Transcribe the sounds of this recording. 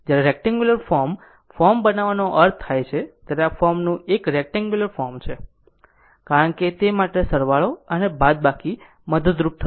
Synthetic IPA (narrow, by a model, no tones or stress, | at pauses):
d͡ʒjaɾeɾɛk̚ʈãŋɡjuləɾfɔɾm | fɔɾmbənaʋanoʔəɾt̪ʰːajt͡ʃʰet̪jaɾeafɔɾmnũekɾek̚ʈãŋɡjuləɾfɔɾmt͡ʃʰe | kaɾəɳket̪emaʈesəɾʋaɭoənebad̪̚baki | məd̪əd̪ɾup̚t̪ʰə